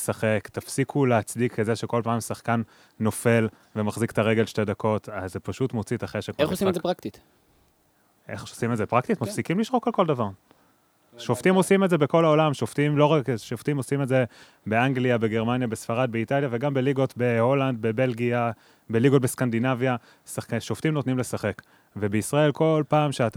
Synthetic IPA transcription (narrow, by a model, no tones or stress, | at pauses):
saχekt̪afsikʰuleat͡sdikːezeʃeko̞lpaːmsaχkanː | o̞fe̞l | vemaχzikt̪aʁe̞ɡe̞lʃte̞dako̞tazepaʃutmo̞t͡sit̪aχeʃekmeχosimezepʁakt̪it̪ | ʔeχosimetzepʁaktitmafsikimliʃʁo̞kalko̞ldavaʁ | ʃoftimo̞simetzebeko̞laolamʃoft̪imlo̞ʁakʃoft̪imosimeze̞ | be̞aŋɡliabe̞ɡe̞ʁmanjabesfaʁad̪̚beitaljave̞ɡambe̞liɡo̞tbe̞ho̞land̪̚bebe̞lɡia | beliɡo̞t̚beskandinavja | saʃoft̪imnotnimle̞saχe̞k | ve̞be̞isʁae̞lko̞lpaːmʃeat